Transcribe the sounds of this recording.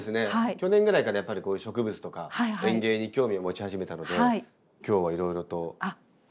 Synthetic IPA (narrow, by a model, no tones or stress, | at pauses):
esɨne̞haikʲo̞nẽ̞ŋɡɯɾaikaɾajapːaɾʲiko̞ːjɯ̟ɕo̞kɯ̟bɯt͡sɨ̥t̪o̞kahaiẽ̞ŋɡe̞ːɲ̟ikʲo̞ːmʲiomo̞t͡ɕihaʑime̞t̪ano̞d̪e̞ai | kʲo̞ːβaiɾo̞iɾo̞t̪o̞a